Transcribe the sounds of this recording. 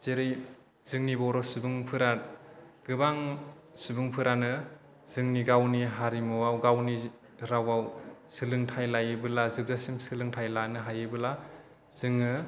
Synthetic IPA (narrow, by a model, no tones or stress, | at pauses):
z̥eɾij | z̥ɯŋnibɔɾɔsɯbɯŋpʰɯɾa | ɡ̥ɯbaŋ | subɯŋpʰɯɾanɯ | z̥ɯŋniɡawniɦaɾimɯwawɡawni | ɾawawsɯlɯŋtʰajlajɯbɯlazɯb̚zasimsɯlɯŋtʰajlanɯɦajɯbɯla | z̥ɯŋːɯ